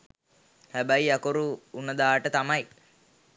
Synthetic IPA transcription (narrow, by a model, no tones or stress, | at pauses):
hæbæjakoɾuːnəd̪aːʈət̪amɐj